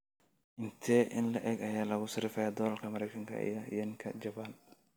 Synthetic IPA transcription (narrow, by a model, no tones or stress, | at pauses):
ʔɪnt̪ʰɛːʔɪnlɐʔɛɡɐjaːlɐɣʊsɪɾɪfɐjaːd̪ɔːɐlkʰɐmɐɾɛjkʰɐŋkʰɐ̰ḭjɔḭjɔŋkʰɐd͡ʒɐban